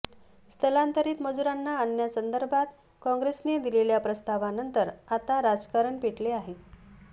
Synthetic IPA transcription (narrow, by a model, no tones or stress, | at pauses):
st̪ʰəlant̪əɾiːt̪məd͡zuɾanːaːnjasənd̪əɾbʱat̪ | kɔ̃ŋɡɾesned̪ileljapɾəst̪aʋanənt̪əɾat̪aɾad͡zkaɾəɳpeʈleaɦe